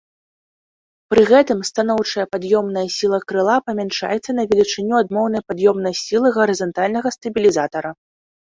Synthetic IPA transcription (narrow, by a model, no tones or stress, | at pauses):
pɾɨɣɛt̪ɨmst̪anɔwt͡ʂɐjɐpad̪jɔmn̪ɐjɐsʲilˠɐkɾɨlˠapɐmʲɛnʂa̰jɛt̪sːɐnɐvʲɛlʲit͡ʂɨnʲːuad̪mɔwnɐjpad̪jɔmn̪ɐjsʲilˠɨɣɐɾɨzɐnt̪alʲnɐɣɐst̪ɐbʲilʲizat̪ɐɾɐ